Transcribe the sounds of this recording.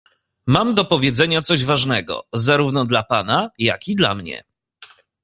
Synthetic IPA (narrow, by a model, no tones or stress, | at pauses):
mamd̪ɔpɔvʲjɛd̪zɛɲat̪sɔʑvaʐnɛɡɔ̰zaɾuvnɔd̪lapanaja̰kid̪la̰mɲɛ̰